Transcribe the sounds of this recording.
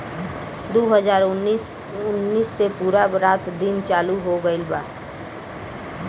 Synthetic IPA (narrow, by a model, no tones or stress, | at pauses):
d̪oːɦəzaːɾʊnːis | ʊnːiːsːepuːɾaɾaːt̪d̪ɪnt͡ʃaːluɦoɡəɪlbaː